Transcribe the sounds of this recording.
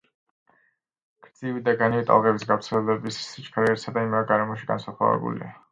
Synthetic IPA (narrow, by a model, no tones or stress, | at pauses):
ɡ̥ɾd̪z̥ivid̪aɡaniit̪ʼa̰lˠʁɛbisɡavfɾt̪sʰɛlɛd̪ɛbisːit͡ʃʰʼkʰaɾɛːɾsad̪aimɾaɡaɾɛmɔʃiɡa̰nsaχʰla̰vɛ̰bṵlḭa